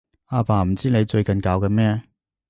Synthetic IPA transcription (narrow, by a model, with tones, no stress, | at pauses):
aː˧paː˨˩m̩˨˩t͡siː˥ne˨˧jt͡ʃɵ˧ɥkɐ˨nkaː˨˧wkɛː˧mɛː˥